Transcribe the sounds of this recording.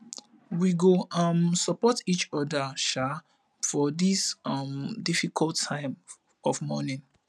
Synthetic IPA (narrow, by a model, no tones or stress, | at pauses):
wiɡoʌmsəpɔtit͡ʃɔdəʃa | fɔdisʌmdifikʰɔltʰːãɪ̃m | ɔvmɔnĩn